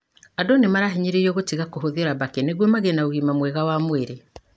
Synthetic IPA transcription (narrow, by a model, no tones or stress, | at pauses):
adonemaɾaɦiɲiɾeiɔɣotiɣakoɦoðioɾabakeneɡwɔmaɣenaoɣimamwɛɣawamweɾe